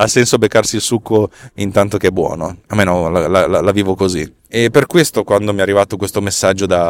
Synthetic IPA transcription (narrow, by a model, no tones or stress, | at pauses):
asːɛnsobekːarsilsukʰːoint̪ant̪okeɛbːwɔ̰ːnoamːeːnolalalalaviːvokozi | epːerkwest̪okwand̪omiarːivat̪okwest̪omesːad͡ʒːod̪a